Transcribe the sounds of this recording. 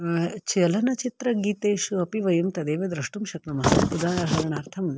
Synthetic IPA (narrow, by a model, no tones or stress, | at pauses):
t͡ʃɐlɐnɐt͡ʃit̪ɾɐɡiːt̪eːʃuɐpiʋɐjɐmt̪ɐd̪eːʋɐd̪ɾɐʂʈumʃɐknɐmɐpud̪aːɐɦɐɾɐɳ̃aːɾt̪ʰɐmn